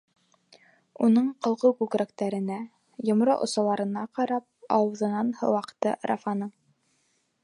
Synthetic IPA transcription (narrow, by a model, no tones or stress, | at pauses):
unɤɴqɤ̆lˠʁɤkʉɡɾæk̚t̪æɾɘ̆næ | jŏmɾoʔŏ̰sɑlˠɑɾɤ̆nɑqɑɾɑp̚ɑwɤ̆ðɤ̆nɑnhɤ̰̆wɑqt̪ɤ̰ɾɑ̰fɑnɤɴ